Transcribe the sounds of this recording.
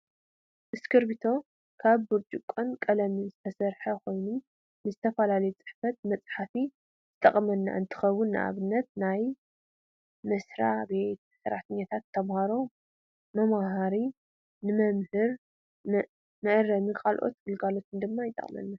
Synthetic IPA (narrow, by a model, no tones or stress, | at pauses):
ʔɨskʰɨɾbit̪ʰo̞ | kʰaβbuɾt͡ʃʼukʼːonkʼɐlɐmɨnzɨt̪ʰɐsɐɾħɐkʰo̞jnu | nɨzɨt̪ʰɐfɐlalɐjut͡sʼɨ̥ħfɐt̪̚mɐt͡sʼħafi | z̥ɨt̪ʼɐχʼmɐnːa̰ʔɨnt̪ʰɨ̥xɐwːʊnːɨ̰ʔa̰βɨnːɐt̪̚naj | mɐsɾa̰bet̪sɐɾaħt̪ʰɐɲːat̪ʰat̪ʰːɐmhaɾo̞ | mɐmahaɾi | nɨmɐmhɨɾ | mɨʔrɐmɨkʰalʔo̞̰t̪ɡ̥ɨlɡalo̞t̪ʰɨnd̪ɨmːajɪt̪ʼɐ̰χʼmɐ̰nːa